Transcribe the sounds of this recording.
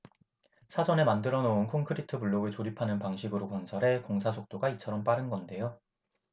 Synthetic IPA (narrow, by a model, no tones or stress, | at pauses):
sʰad͡ʑʌne̞mandɯɾʌnounkʰoŋkʰɯɾitʰɯpuɭːoɡɯɭt͡ɕoɾipʰanɯnpaŋɕʰiɡɯɾokwʌnsʰʌɾe̞koŋsʰasʰok̚t͈oɡait͡ɕʰʌɾʌmp͈aɾɯnɡʌnde̞jo